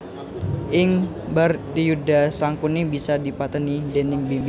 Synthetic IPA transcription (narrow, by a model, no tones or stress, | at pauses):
ʔɪŋ | bərt̪ijudasaŋkunibisadipat̪ənidɛnɪŋbimb